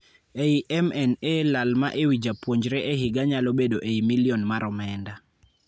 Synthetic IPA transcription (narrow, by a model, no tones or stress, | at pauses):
eiʔɛmɛnelalma̰ʔewid͡ʒapwoɲd͡ʒɾɛʔeɦɪɡaɲalobedoʔeimilionmaɾɔmɛnda